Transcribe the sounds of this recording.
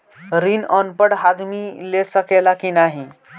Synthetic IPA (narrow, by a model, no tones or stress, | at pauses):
ɾinənpəɽɦad̪milesəkelakinaɦi